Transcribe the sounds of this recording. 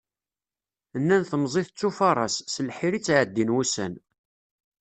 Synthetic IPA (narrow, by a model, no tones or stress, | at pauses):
ənːænθəmzˤiθt͡sːufɑɾˤɑsːəlħiɾit͡sːʕəd̪ːinwusæ̰n